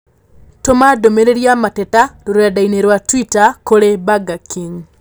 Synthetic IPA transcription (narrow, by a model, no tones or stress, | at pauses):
tomadomeɾeɾjamatɛtaloɾojadaineɾwatwitakoɾebaɡakiŋ